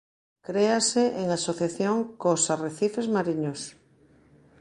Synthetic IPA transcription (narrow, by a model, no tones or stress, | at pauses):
kɾeaseʔeŋasoθjaθjoŋkosareθifezmaɾiɲos